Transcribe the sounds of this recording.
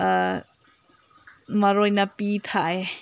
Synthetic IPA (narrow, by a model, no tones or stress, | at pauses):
maɾojnapit̪ʰaj